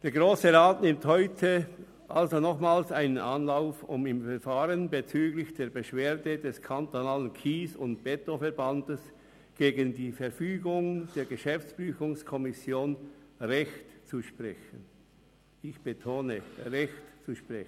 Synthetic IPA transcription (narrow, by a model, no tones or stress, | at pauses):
d̥eːɐɡʁoːsəʁaːtnɪmthɔʏtʰə | ʔalzonɔχmaːlsaɪnənʔanlaʊfʊ̰mɪmfɛʁfaːʁənbet͡syːɡlɪçd̥eːɐbeʃv̥eːɐdədɛskʰantonaːlənkʰiːsʊntb̥ɛtofɛɐʁbandəs | ɡ̥eːɡəndiːfɛɐfyːɡʊŋd̥eːɐɡəʃɛft͡sb̥yːfʊŋskʰɔmɪsjoːnʁɛçtt͡suʃpʁɛ̰çən | ɪçb̥etʰoːnəʁɛçtt͡suʃpʁɛn